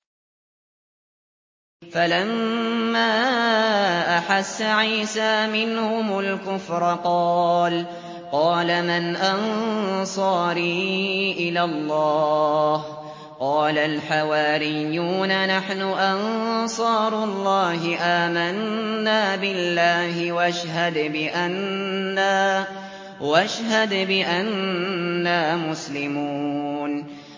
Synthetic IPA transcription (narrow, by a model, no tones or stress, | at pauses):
falamːaː | ʔaħasːaʕiːsaːmɪnhʊmalkʊfɾˤqɑːl | qɑːlamanʔansˤɑːɾiːʔɪlalˤːɑːh | qɑːlalħawaːɾɪjːuːnanaħnʊʔɑnsˤɑːɾˤʊlˤːɑːɦɪʔaːmanːaːbɪlːaːɦɪwaʃɦad̪bɪʔanːaː | waʃɦad̪bɪʔanː | aːmʊslɪmuːn